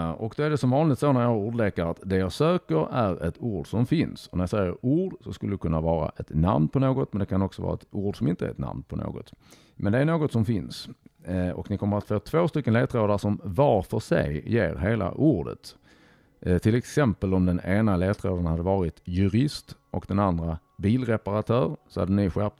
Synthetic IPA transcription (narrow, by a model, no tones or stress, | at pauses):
ɔkd̪ɔæɖɛsɔmvɑːnlɪɡ̚t̪soːnæɾjɑːuːɖlekəɾat̪d̪ɛjɑsøːkəɾæɾɛt̪uːɖsɔmfɪnsɔnæɾjɑsɛjːəɾuːɖsɔskɵlːəd̪ɵkʰɵnːavɑːɾa̰ʔɛt̪na̰mnpʰɔnoːɡɔt̪mɛnd̪ɛkʰanɔksɔvɑ̰ːɾa̰ɛt̪uːɖsɔmɪnt̪əæ̰ɾɛt̪na̰mnpʰɔno̰ːɡɔ̰t̪ | mɛnd̪ɛæɾɳoːɡɔt̪sɔmfɪns | ɔ̰knɪkʰɔmːəɾat̪foːt̪ʰvoːst̪ʏkːənleːt̪ɾoːd̪aʂɔmvaɾfœʂɛ̰jjeːɾɦeːla̰ʔuːɖə̰t̪ | t̪ʰɪlɛksɛmpəlɔmd̪ɛneːnaleːt̪ɾo̰ːd̪anhad̪ːəvɑːɾɪt̪jɵɾɪst̪ʔɔkd̪ɛnand̪ɾa | biːlɾɛpaɾat̪ʰœːɾsɔha̰d̪ːənɪɧɛp̚t̪